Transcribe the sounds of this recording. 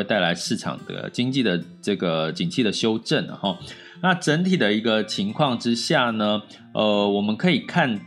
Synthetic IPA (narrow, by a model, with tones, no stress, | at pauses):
e˥˧t̪a˥˩ɪa˧˥ɪʂɻ̩˥˩ʈ͡ʂʰɑ̰˨˩ŋd̪ə̰˩t͡ɕi˥ŋt͡ɕi˥˩d̪ə˩ʈ͡ʂɤ˥˩ɡə˩t͡ɕi˨˩nt͡ɕʰi˥˩d̪ə˩ɕjo˥ʊʈ͡ʂə˥˩n̰˩hɔ˩ | na˥˨ʈ͡ʂə˧˦nt̪ʰi˨˩d̪ə˩i˧˥ɡə˧t͡ɕʰi˧˥ŋkʰwɑ˥˩ŋʈ͡ʂɻ̩˥ɕja˥˩nə˩ | ə˧wɔ˨˩mə˧˦nkʰɤ˧˥i˨˩kʰa˥˧n